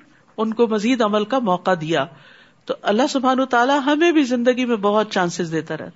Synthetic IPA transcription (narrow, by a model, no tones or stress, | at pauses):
ʊnkomɐziːd̪ɐməlkamɔːqad̪ijaː | t̪oʔɐlːaɦsʊbʱɦaːnət̪aːlaɦɐmẽbʱizɪ̃nd̪əɡimẽbɐɦʊt̪̚t͡ʃãːnsɪzd̪eːt̪aɾɛ̰ɦ̪